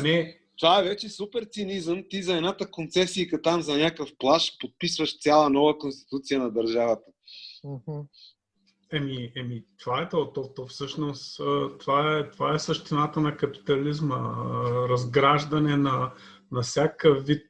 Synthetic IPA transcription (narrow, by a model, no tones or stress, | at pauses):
nɛ | t̪ovaɛvɛt͡ʃɛsupɛɾt̪sinizəmt̪izɐɛd̪nat̪əkont̪sɛsikət̪amzɐnʲakəfplˠaʃpot̪̚pisvəʃt̪sʲjalˠənɔvəkonst̪i̥t̪ut̪sijənɐd̪ɐɾʒavət̪ə̥ | ɛmiɛmit̪ovaɛt̪ot̪ɔt̪ɔfsɤʃnosət̪ovaɛt̪ovaɛsəʃt̪inat̪ənɐkɐpi̥t̪ɐlizməɾɐzɡɾaʒd̪ɐnɛnɐ | nɐfsʲjakəvit̪̚